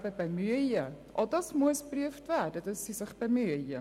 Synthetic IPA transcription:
bəbəmyəjiə | ʔɑlˠdəsmuəspryəftværdətəsisəχbəmyəjiə

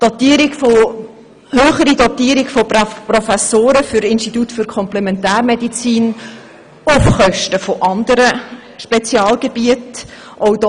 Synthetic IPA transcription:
d̥ɔt̪iːɾiɡfo | høːχəɾidɔtiːɾiɡfopprɔfɛsoːɾəfʏɾɪnʃtitutfyɾkʰɔmplɛmɛntæːrmɛdit͡siːn | ʊfχœʃtəfoʔɑnd̪əɾə | ʃpet͡sjɑːlɡeb̥iət | ʔɔʊdɔ

